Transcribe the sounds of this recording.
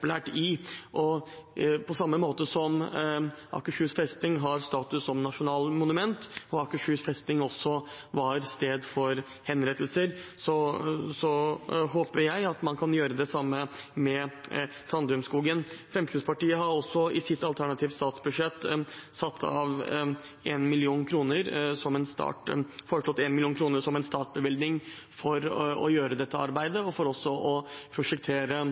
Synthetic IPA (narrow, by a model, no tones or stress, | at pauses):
plæːʈɪʔɔ | pʰɔsɑmːəmoːt̪əsɔm | ʔɑ̰kəʂʉːsfɾɛst̪ɪŋɦɑɾst̪ɑːt̪ʉsɔmnɑʂʊnɑːlmʊnʉmɛnt̪ɔɑkəʂʉːsfɾɛst̪ɪŋɔsːɔ | ʋɑɾst̪eːd̪fɔɾ | hɛnɾɛt̪ʰːəlsəɾsɔsɔɦoːpəɾjæɪɑt̪mɑnkʰɑnjøːɾəd̪ɛsɑmːəmɛ | t̪ʰɾɑnd̪ʉʉmskuːɡənfɾɛmk̪ʰɪspʰɑʈiːəɦɑɾɔsːɔɪsɪt̪ːɑlt̪ʰæɳɑt̪ʰiːʋ̪st̪ɑːt̪sbʉd̪ʂɛt̪ːsɑt̪ʰːɑ̰ʋ | eːnmɪlɪuːnkʰɾuːnəɾsɔmɛnst̪ɑ̰ːʈfɔːɾəʂlɔt̪ːɛnmɪlɪuːnkʰɾuːnəɾʂɔmɛnst̪ɑːʈ̪̚bəʋɪld̪nɪŋ | fɔɾɔ̰jøːɾəd̪ɛt̪ʰːəɑ̰ɾbæɪd̪əɔfɔɾɔsːɔʔɔpʰɾʊʂɛkt̪ʰeːɾə